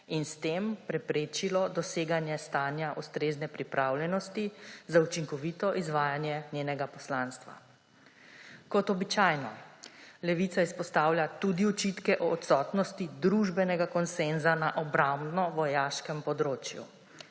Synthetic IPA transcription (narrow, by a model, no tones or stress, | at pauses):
inst̪eːmpɾɛpɾeːt͡ʃilɔd̪ɔseːɡanjɛst̪aːnjaʔust̪ɾeːznɛpɾipɾʔaːwlʲjɛnɔst̪izaut͡ʃiŋkɔʋiːt̪ɔʔizʋaːjanjɛnʲjeːnɛɡapɔslanst̪ʋa̰ | kɔt̪ɔbit͡ʃaːjnɔ | lɛʋit̪saispɔst̪aːwljat̪ud̪iɔt͡ʃit̪kɛʔɔːt̪sɔt̪nɔst̪id̪ɾuʒbɛnɛɡakɔnsenzanaʔɔbɾambdnɔʋɔjaːʃkɛmpɔd̪ɾoːt͡ʃjṵ